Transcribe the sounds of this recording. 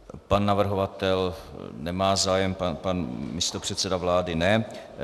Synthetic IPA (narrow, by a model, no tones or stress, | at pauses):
panːavr̩ɦovat̪ɛlnɛmaːzaːjɛmpanpanmɪst̪opr̝̥ɛt̪sɛdavlaːdɪnɛ